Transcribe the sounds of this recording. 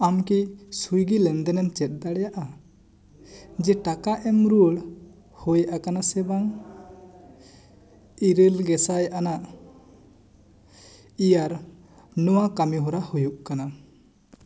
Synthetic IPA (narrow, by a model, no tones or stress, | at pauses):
amkisujɡilɛnd̪ɛnɛmt͡ʃɛt̪̚d̪aɽɛjaʔa | d͡ʒɛʈakaʔɛmɾuɭ | hɔjʔakanasɛbaŋ | iɾəlɡɛsajʔanaʔ | ijaɾ | nɔwakamiɦɔɾahujuʔkana